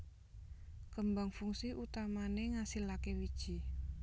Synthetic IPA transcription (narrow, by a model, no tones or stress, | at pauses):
kəmbaŋfuŋsiʔut̪amaneŋasilakewid̥ʒ̥i